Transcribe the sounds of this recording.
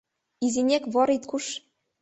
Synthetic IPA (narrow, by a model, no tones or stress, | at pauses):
izinʲekβoɾit̪kuʃ